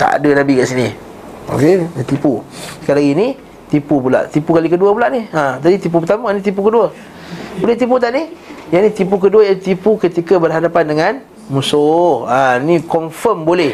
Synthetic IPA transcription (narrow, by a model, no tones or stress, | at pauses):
t̪a̰a̰dənabikaʔsini | o̰ket̪ipusə̥kajlaɡini | t̪ipupula̰ʔt̪ipukalikəduəp̬ulaʔnihət̪adit̪ip̬upət̪amaanĩt̪ip̬ukəduə | bolɛht̪ip̬ut̪̬aʔnihjanit̪ip̬uk̬əduəjat̪ipukət̪ikabərɦadapandəŋãn | musohanikɔnfəmbolɛh